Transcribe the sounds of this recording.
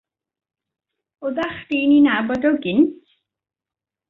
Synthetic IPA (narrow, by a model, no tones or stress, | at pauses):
ʊðaχd̥iːninabɔdɔɡɪnt